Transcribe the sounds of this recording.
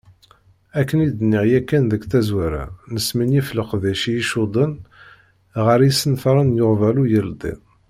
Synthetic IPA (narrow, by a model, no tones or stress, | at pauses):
ækːənid̪nːɪʁjækːænðəɡθæzwæɾæ̰nəsminjifləqðæʃijiʃud̪ˤən | ʁəɾjisənθɾˤənjʊʁvælujəld̪ˤḭ